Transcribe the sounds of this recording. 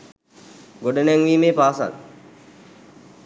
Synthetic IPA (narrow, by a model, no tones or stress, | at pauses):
ɡoɖənæŋʋiːmeːpaːsa̰l